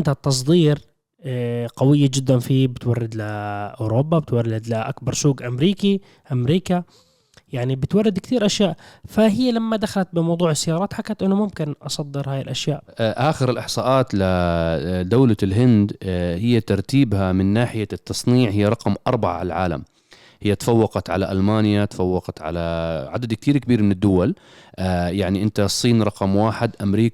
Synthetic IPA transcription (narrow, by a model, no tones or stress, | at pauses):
nd̪hat̪ːɑs̬ˤd̪ˤiːɾ | qɑwɪjːad͡ʒɪd̪ːanfibɪt̪warˤːɪd̪lɪʔuːɾoːbabɪt̪warˤːɪd̪lɪʔa̰kbɑɾˤsuːɡʔamɾiːki | ʔamɾiːka | jaʕnibɪt̪wɑrˤːɪd̪kt̪iːɾʔaʃjaːʔfaɦɪjːalamːad̪axalat̪̚bɪmɑwd̪ˤuːʕɪsːajːɑːɾˤɑːt̪ħakːat̪ʔɪnːʊmʊmkɪnʔɑsˤɑd̪ːɪɾhaːjɪlʔaʃjaːʔʔaːxɪɾɪlʔɪħsˤɑːʔɑːt̪la | d̪awlalɦɪnd̪hɪjːat̪ɑɾˤt̪iːbhamɪnːaːħɪjat̪ːɑsˤniːʕhɪjːaɾˤɑqmʔɑɾˤbaʕa̰ʕlʕa̰ːla̰m | hɪjːat̪ḁfawːɑqɑt̪ʕalaʔalmaːnjat̪ḁfawːɑqɑt̪ʕa̰laʕad̪ad̪k̚t̪iːɾkabiːɾmɪnɪd̪ːʊwal | jaʕniʔɪnt̪asˤːiːnɾˤɑqɑmwaːħɪd̪ʔamɾiːk